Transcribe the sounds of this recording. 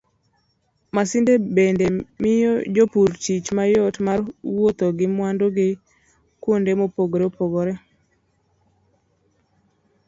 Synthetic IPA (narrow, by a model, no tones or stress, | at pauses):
masɪndebendemɪjɔd͡ʒopuɾt͡ʃit͡ʃmajɔtmarwot̪oɡɪmwandoɡɪ | kwondemopoɡoɾepoɡɔɾɛ